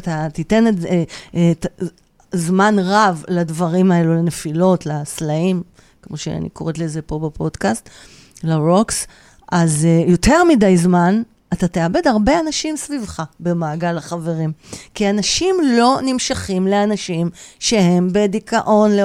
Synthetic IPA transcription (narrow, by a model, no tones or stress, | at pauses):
at̪at̪ite̞n | et | zmanʁavladvaʁimae̞lulanefilo̞tlaslaim | kmo̞ʃḛa̰nḭkoʁetlezepo̞bepo̞d̥kast̪ | laʁoks | ʔazjo̞te̞ʁmidajzman | atat̪eabe̞daʁbeanaʃimsvivχabe̞maːɡalaχaveʁimkianaʃimlo̞nimʃaχimleanaʃimʃe̞he̞mbe̞dikaʔo̞nle